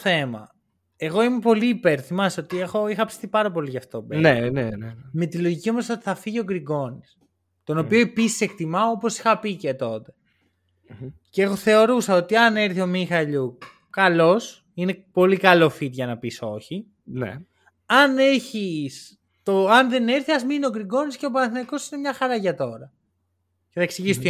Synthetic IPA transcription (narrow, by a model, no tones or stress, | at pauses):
θe̞mɐ̰ | e̞ɣo̞imepo̞liːpe̞ɾθimɐseot̪ie̞xo̞ixɐpsi̥θipɐɾɐpo̞liʝɐft̪o̞beneneme̞t̪ilo̞ʝicio̞mosot̪i̥θɐfiʝio̞ɡɾiɡo̞nis | t̪o̞no̞pio̞ipisi̥se̞k̚t̪imɐoopo̞si̥xɐpicet̪o̞t̪e̞ | ceeɣo̞θe̞o̞ɾusɐo̞t̪iɐne̞ɾθio̞mixɐʎu | kɐlo̞s | ine̞po̞likɐlo̞fit̪ʝɐnɐpiso̞çi | nḛ | ɐne̞çis | t̪oɐnðe̞ne̞ɾθiɐzminio̞kɾiɡo̞nisceop̬ɐnɐθinɐiko̞sine̞mɲɐxɐɾɐʝɐt̪o̞ɾɐ | ceθɐeksiʝisot̪